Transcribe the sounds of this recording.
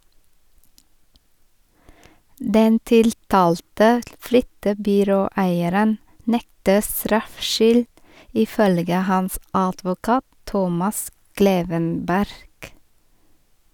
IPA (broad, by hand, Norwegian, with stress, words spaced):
ˈdɛn ˈtɪltɑːltə ˈflʏtəbʏˌɾoːˌæɪəɾən ˈnɛktə ˈstɾɑfʃʏl ɪˈfœlɡə ˈhɑns ɑdʋʊˈkɑːt ˈtɔmɑs ˈkleːʋənˌbæɾɡ